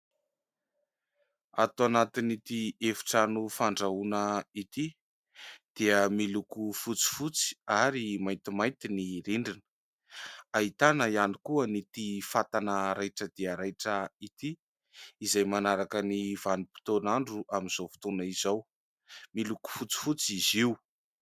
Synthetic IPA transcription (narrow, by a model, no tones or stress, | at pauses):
at̪anat̪init̪iefi̥ʈ͡ʂanufaɳɖ͡ʐaunəit̪i | d̪̥iəmilukufut͡si̥fut͡si̥aɾimajnt̪imaj̪t̪iniɾiɳɖ͡ʐinə̥ | aɦit̪anəianikuənit̪ifat̪anəɾajʈ͡ʂəd̪̥iəɾajʈ͡ʂəit̪iː | zajmanaɾakəniv̥anipi̥t̪onaɳɖ͡ʐuʔaminz̥ofu̥t̪unaizow | miluku̥fut͡si̥fut͡siziw